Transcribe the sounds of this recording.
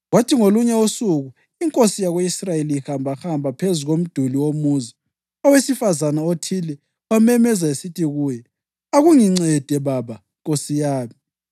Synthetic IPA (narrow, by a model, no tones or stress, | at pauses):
ɣwatʰiŋoluɲɛusuɣu | iŋkʼosijaɣweisrajeliixambʱaxambʱapʰezuɣom̩d̥ʱuliwomuzi | ɔwesifazanaotʰilɛ | amɛmɛzaesitʰiɣuːjɛ | aɣuŋiŋ͡ǀɛd̥ʱɛβaβa | ŋkʼosijaːmi